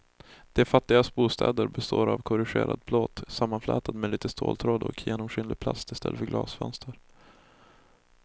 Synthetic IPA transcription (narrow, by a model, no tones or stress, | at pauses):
d̪̥ɛfat̪ːɪɡast̪̚buːst̪ʰɛːd̪əɾbɛst̪oːɾavkʰɔɾɪɧḛːɾʔad̪̚bloːt̪samːanflɛ̰ːt̪ʰad̪mɛliːt̪əst̪ʰoːlt̪ʰɾoːd̪ɔkʰjeːnɔmɧʏːnlɪɡ̚pʰlast̪ɪst̪ʰɛlːəfœɾɡlɑːsfœnst̪əɾ